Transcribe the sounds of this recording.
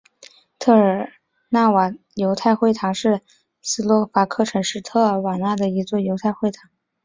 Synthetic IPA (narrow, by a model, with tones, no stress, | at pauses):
t̪ʰɤ˥˩ə˞˨˩ | na˥˩wa˨˩ | jo˧˥ʊt̪ʰa˥˧ɪxwe˥˩ɪt̪ʰɑ˧˥ŋʂɻ̩˥˩ | sɹ̩˥lwɔ˧˥fa˧˥kʰɤ˥˩ʈ͡ʂʰɤ˧˥ŋʂɻ̩˥˩t̪ʰɤ˥˩ə˧˥wa˨˩na˥˩d̪ə˩i˧˥t͡swɔ˥˩jo˧˥ʊt̪ʰa˥˧ɪxwe˥˩ɪt̪ʰɑ˧˥ŋ